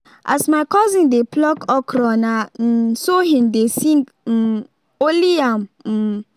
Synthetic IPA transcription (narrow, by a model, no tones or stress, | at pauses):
ʔa̰smajkɔzĩndeplɔkɔkɾɔnan̩soɦĩndesĩŋɡ̩ | oliam̩